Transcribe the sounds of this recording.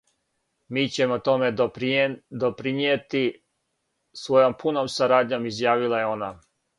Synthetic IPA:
miːt͡ɕe̞mot̪o̞me̞ | d̪opɾinijet̪i | sʋo̞jo̞mpʰuno̞msaɾaːd̪ɲo̞mizjaːʋilˠajeo̞na

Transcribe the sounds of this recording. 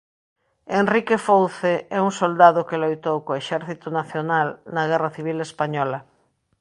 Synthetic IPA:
enrikefowθeɛuŋsold̪aðokelojt̪owkoeʃɛɾθit̪onaθjonalnaɣ̞ɛraθiβ̞ilespaɲɔla

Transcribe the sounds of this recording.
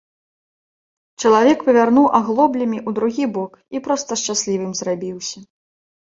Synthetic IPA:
t͡ʂɐlˠavʲɛkpɐvʲarnuwʔaɣlˠɔblʲɐmʲiʔud̪ɾuɣʲibɔk | ipɾɔst̪ɐʂt͡ʂasʲlʲivɨmzrabʲiwsʲɐ

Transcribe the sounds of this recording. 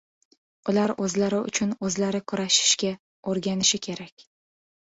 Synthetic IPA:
ʊlaɾɵzlaɾɪʊ̰t͡ʃʰʊnɵzlaɾɪkʰʊɾaʃɪ̥ʃkʲa | oɾɡʲanɪʃɪkʲʰe̞ɾakʲ

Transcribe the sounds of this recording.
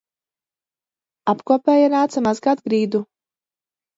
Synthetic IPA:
apkuɔpɛːjanaːt̪samazɡad̪̚ɡɾiːd̪u

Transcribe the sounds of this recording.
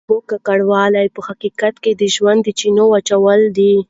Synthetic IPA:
okakaɽwɑlajpəhaqikat̪ked̪əʒwand̪ːət͡ʃinowat͡ʃawəld̪i

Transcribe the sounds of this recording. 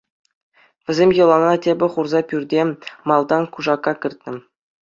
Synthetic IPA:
ʋʲɘ̆zʲemʲjɤ̆lˠɑnɑtʲebʲɘ̆χurzɑpʲyrʲdʲemɑlˠd̪ɑnkuʐɑkːɑkʲɘ̆rʲt̪ʲnʲɘ̆m

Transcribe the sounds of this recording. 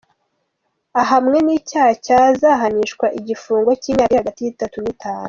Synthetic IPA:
aɦamŋe̞niːcaːcazaɦaniʃkwaʔiɟifuːŋɡo̞ciːɲaihaɡatijitatunitʰaːnu

